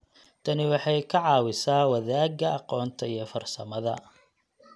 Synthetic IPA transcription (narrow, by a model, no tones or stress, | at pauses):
t̪ʰɐnɪwɑħɑjkʰɐʕɑːwɪsaːwɐðaːɡɐɑqɔːnt̪ʰɐijɞfɐrsɐmɐðɐ̰